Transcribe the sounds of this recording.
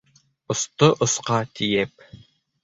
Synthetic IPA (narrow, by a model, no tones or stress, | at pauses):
ɤ̆st̪ɤʔŏsqɑt̪ʰijɛp̚